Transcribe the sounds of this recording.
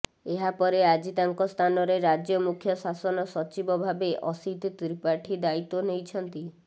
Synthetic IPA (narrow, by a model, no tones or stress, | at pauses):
eɦapɔɾead͡ʒit̪aŋkɔst̪ʰanɔɾeɾad͡ʒjɔmukʰjɔsasɔnɔsɔt͡ʃibɔbʱabeʔɔsit̪t̪ɾipaʈʰid̪ait̪ːonejt͡ʃʰɔnt̪i